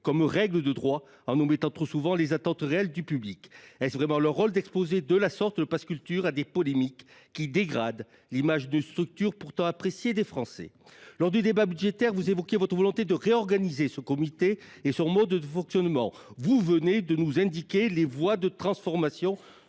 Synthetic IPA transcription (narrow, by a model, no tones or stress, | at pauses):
kɔmʁɛɡləd̪əd̪ʁwa | ɑ̃numɛt̪ɑ̃t̪χosuvɑ̃lezat̪ɑ̃t̪ʁeɛld̪ypyblikɛsvʁɛmɑ̃lœʁːɔld̪ɛkspozed̪əlasɔʁt̪d̪əpaskʲylt̪yʁad̪epɔlemikː | id̪eɡʁad̪ | limaʒd̪ynst̪χyk̚t̪yʁpuʁt̪ɑ̃apχesjed̪efχɑ̃sɛ̰ | lɔʁd̪yd̪ebabyd̪ʒet̪ɛʁvuzevɔkʲjevɔt̪χəvɔlɔ̃t̪ed̪əʁeɔʁɡanizesəkɔmit̪eː | sɔ̃mɔd̪əfɔ̃ksjɔnmɑ̰̃ | vuvəned̪ənuzɛ̃d̪ikʲelevwad̪ət̪χɑ̃sfɔʁmasjɔ̃